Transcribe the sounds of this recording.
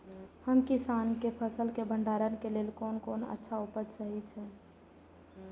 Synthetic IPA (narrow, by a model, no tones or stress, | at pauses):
həmkisankepʰəsəlkebʱəɳɖaɾənkelelkonkonə̰tːʃʰaupəd̪səɦit͡ʃʰɛ̃